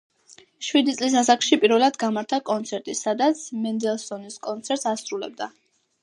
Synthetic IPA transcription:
ʃwid̪it̪sʼlis̬as̬akʰʃipʼiɾvɛlˠad̪ɡamaɾt̪ʰakʼɔnt̪sʰɛɾt̪ʼisad̪at̪sʰmɛnd̪ɛlˠsɔniskʼɔnt̪sʰɛɾt̪sasɾulɛ̰b̚d̪a

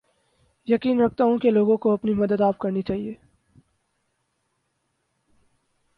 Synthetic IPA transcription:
jɐkiːnɾɐk̚ʰt̪aɦũkeloːɡõkoɐpnimɐd̪əd̪aːpkɐɾnit͡ʃaːɦieː

